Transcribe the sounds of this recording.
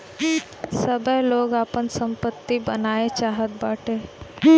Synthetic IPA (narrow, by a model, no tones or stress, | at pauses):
səbəɦloːɡaːpənsə̃mpət̪ːibənaːet͡ʃaːɦət̪̚baːʈʰeː